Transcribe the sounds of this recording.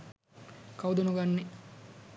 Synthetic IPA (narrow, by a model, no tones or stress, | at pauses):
kawd̪ɐnuɡanːe